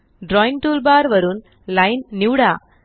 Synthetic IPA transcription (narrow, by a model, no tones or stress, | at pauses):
ɖɾɔːjɪŋʈuːlbaːɾʋɐɾɯn | lɐɪnnuːɽaː